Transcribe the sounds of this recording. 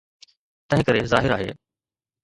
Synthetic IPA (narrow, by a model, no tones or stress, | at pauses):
t̪ɐ̃ɦɪ̃kəɾezaːɦɪɾaːɦḛː